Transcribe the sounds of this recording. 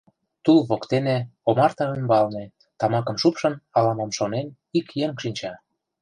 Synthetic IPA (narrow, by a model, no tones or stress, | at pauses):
t̪ulβokt̪enĕomɑrt̪ɑymbɑlnĕ | t̪ɑmɑkə̆mʃupʃə̆nɑlɑmɑmʃonen | ikjeŋʃinʲt͡ɕɑ